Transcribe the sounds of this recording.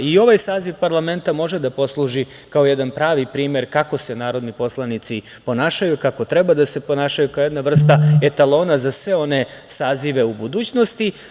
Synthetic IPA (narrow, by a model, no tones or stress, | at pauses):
io̞ʋajsaːziʋpaɾlˠame̞nt̪amo̞ʒed̪apo̞slˠuʒi | kao̞jed̪anpɾaːʋipɾiːme̞ɾkako̞se̞naːɾo̞d̪nipo̞slˠanit̪si | po̞naːʃajukako̞t̪ɾebad̪ase̞po̞naːʃajukaoje̞d̪naʋr̩st̪aet̪alˠo̞ːnazasʋe̞o̞ne̞saːziʋe̞ubud̪uːt͡ɕnost̪i